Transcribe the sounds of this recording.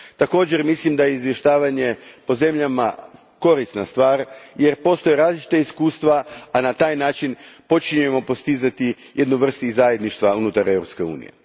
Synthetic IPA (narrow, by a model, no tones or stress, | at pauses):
t̪ako̞ːd͡ʑe̞ɾmislimd̪ajeizʋje̞ʃt̪aːʋaɲe̞po̞ze̞mʎama̰ | ko̞ɾist̪nast̪ʋaːɾje̞ɾpo̞ːst̪o̞jeɾaːzlʲit͡ʃi̥t̪aiskuːst̪ʋaːnat̪aːjnaːt͡ʃinpo̞t͡ʃiɲuje̞mo̞po̞st̪izat̪i | jʔe̞d̪nuʋr̩st̪uizaje̞d̪niʃt̪ʋaunut̪aɾe̞vɾo̞pske̞ṵːnḭje̞̰